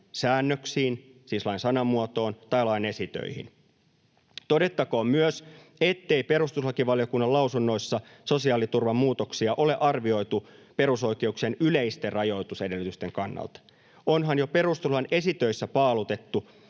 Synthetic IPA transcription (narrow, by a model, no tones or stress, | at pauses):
sæːnːøksiːn | siːslɑinsɑnɑmːuot̪o̞ːnt̪ɑjlɑine̞sit̪ø̰ihḭn | t̪o̞de̞t̪ːɑkoːmmyøs | et̪ːe̞jpe̞ɾust̪uslɑkiʋɑljo̞kunːɑlɑwsunːo̞isːɑ | so̞siɑːlit̪urʋɑmːuːt̪oksiɑʔo̞le̞ʔɑrʋio̞jt̪upe̞ɾuso̞jke̞uksienyleist̪errɑjo̞jt̪usedelːyt̪yst̪eŋkɑnːɑ̰lt̪ɑ̥ | o̞nɦɑnjo̞pe̞rust̪ulɑne̞sit̪øisːæpɑːlut̪e̞t̪ːu